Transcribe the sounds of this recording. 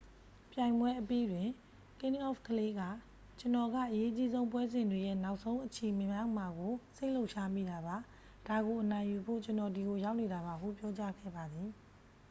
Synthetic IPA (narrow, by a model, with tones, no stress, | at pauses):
pjã˨ɪ̃mbwɛ˦ʔəpi˦dwɪ̃˨ | kɪ̃˦nʔɔ˦˨fkʰəle˦ɡa̰˦˨ | t͡ɕə˨nɔ˨ɡä̰˦˨ʔəje˦ʔt͡ɕi˦zõ˦ʊ̃mpwɛ˦zɪ̃˨ndwe˨jɛ̰˦˨na˦ʊʔsʰõ˦ʊ̃ʔət͡ɕʰe˨mɪ̃˨mja˦˨m̥a˨ɡo˨se˦ɪʔlo˦ʊʔʃa˦mḭ˦˨da˨ba˨ | d̥a˨ɡo˨ʔənã˨ɪ̃ju˨bʰo̰˦˨t͡ɕə˦nɔ˨di˨ɡo˨ja˦ʊʔne˨ɾa˨ba˨ɦṵ˦˨pjɔ˦t͡ɕa˦ɡɛ̰˦˨ba˨d̪ði˨